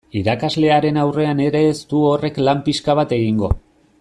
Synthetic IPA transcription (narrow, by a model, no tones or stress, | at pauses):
iɾakazle̞aɾe̞nawre̞ane̞ɾe̞ːst̪uo̞re̞klampiskaβ̞at̪e̞ɣ̞iŋɡo̞̰